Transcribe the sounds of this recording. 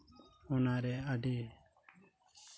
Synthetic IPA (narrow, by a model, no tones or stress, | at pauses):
ɔnaɾɛaɖi